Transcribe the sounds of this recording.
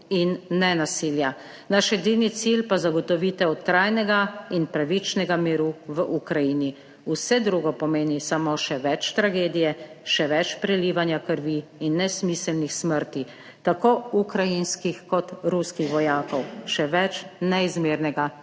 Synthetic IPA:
inːɛnasiːlja | naʃɛd̪init̪silpazaɡɔt̪ɔʋit̪ɛt̪ːɾajnɛɡainpɾaʋit͡ʃnɛɡamiɾuʋəʔukɾajini | usɛd̪ɾuɡɔpɔmeːnisamoʃɛʋɛt͡ʃt̪ɾaɡeːd̪ijɛʃɛʋɛt͡ʃpɾɛliʋanjakəɾʋiːnːɛsmiːsəlnixsməɾt̪i | t̪akoukɾajinskixkɔt̪ɾuskixʋɔjaːkɔwʃɛʋɛt͡ʃnɛizmeɾnɛɡa

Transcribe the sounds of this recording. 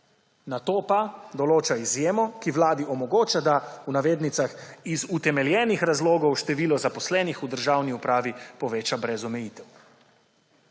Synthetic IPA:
nat̪oːpad̪ɔloːt͡ʃaizjeːmɔkiʋlaːd̪iʔɔmɔɡoːt͡ʃad̪aunaʋeːd̪nit̪saxizut̪ɛmɛljɛːnixɾazloːɡɔwʃt̪ɛʋiːlɔzapɔslɛːnixud̪əɾʒaːwniupɾaːʋipɔʋeːt͡ʃabɾɛzɔmɛjiːt̪ɛw

